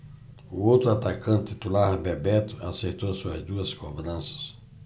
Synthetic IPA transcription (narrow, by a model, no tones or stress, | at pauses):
ʊowt̪ɾʊat̪akɐ̃nt̪t̪it̪ulaɾbɛbɛt̪ʊa̰seɾt̪owsuɐ̰zd̪uɐskobɾɐ̃sɐ̥s